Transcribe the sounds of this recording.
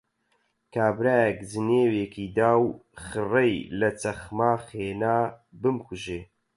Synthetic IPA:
kaːbɾaːjɛkd͡zɨneːweːkʰiːd̪aːwxɨrejlɐt͡sɐχmaːχeːnaːbɨmkuʒeː

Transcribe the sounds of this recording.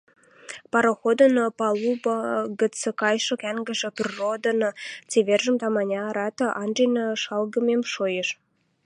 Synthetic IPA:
pɑɾoxod̪ə̆nopɑlubɑɡə̆t͡sə̆kɑjʃɤ̆kæŋɡə̆ʒĕpʲərːod̪ə̆not͡seβerʒə̆mt̪ɑmɑnʲɑːɾɑt̪ɤ̆ʔɑnʒenəʃɑlɡə̆memʃojeʃ

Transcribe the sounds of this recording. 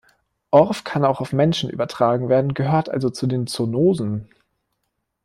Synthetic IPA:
ʔɔɐfkʰanaʊxaʊfmɛnʃn̩ʔy̰ːbɐtʁ̥aːɡŋ̩veːɐdn̩ɡəɦøːɐtʔa̰lzot͡sudeːnt͡sonoːzn̩

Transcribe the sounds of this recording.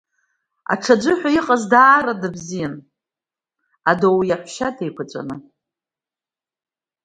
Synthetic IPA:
a̰ʈ͡ʂʰad͡ʒʷɨħʷᶣaiqʼazdaːɾadɨbzijan | adowjaħʷʃatʰejkʷʰat͡sʷʼa̰nɨ

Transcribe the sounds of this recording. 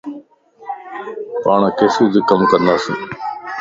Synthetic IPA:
paːɳaːkeːsiːd̪iːkəmkənd̪aːsḭː

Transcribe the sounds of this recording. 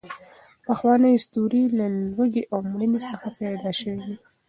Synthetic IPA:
paxwɑnəjist̪uɾilalwəɡeʔawmɽənesəxapajd̪ɑʃəwiwi

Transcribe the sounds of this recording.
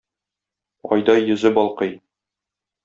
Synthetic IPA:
ɒ̰jd̪ɑjjːɵ̆zɘbɒlˠqɤj

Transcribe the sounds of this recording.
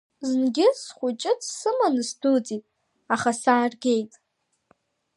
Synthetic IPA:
znɡʲɪsχʷʊt͡ʃʼɪt͡sʰsɨmanɨsdɨt͡sʼitʼ | aχasaːrɡʲe̞jtʼ

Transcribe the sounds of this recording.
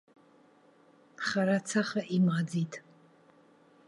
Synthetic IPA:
χaɾat͡sʰaχaʔimʁad͡zitʼ

